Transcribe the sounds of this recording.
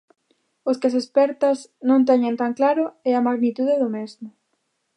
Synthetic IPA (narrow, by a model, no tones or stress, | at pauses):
oskɪasespɛɾt̪ɐznõnt̪ɛɲẽnt̪aŋklaɾʊɛamaɣnit̪uðeðʊmezmʊ